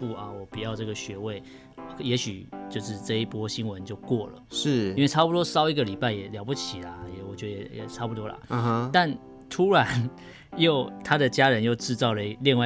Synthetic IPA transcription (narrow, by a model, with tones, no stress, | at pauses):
pu˥˨˩a˨˩wɔ˨˩pi˨˩jɑ˥˧ʊʈ͡ʂɤ˥˩ɡə˩ɕɥɛ˨˧˥we˥˩ɪ˨ | jɛ˨˧˥ɕy˨˩t͡ɕjo˥˧ʊʂɻ̩˥˧ʈ͡ʂɤ˥˧i˥˩pwɔ˦ɕi˥nwə˨˦nt͡ɕjo˥˧ʊkwɔ˥˩lə̰˩ʂ̩˥˩nwe˥˩ɪʈ͡ʂʰa˥pu˨t̪wɔ˥sɑ˥ʊi˧ɡə˨li˨˩pa˥˩ɪjɛ˨˩ljɑ˨˩ʊpu˥˩t͡ɕʰi˨la˨jɛ˨wɔ˨˩t͡ɕɥɛ˧˦də˧jɛ˨˩jɛ̰˨˩ʈ͡ʂʰa˥pu˨˩t̪wɔ˥la̰˨˩ɦt̪a˥˨n | t̪ʰu˥ɻa˧˦n | jo˥˨ʊt̪ʰa˦d̪ə˨t͡ɕja˦˥ɻə˦njo˥˧ʊʈ͡ʂɻ̩˥˧t͡sɑ˥˩ʊlə˩i˦li˥˧ŋwa˥˩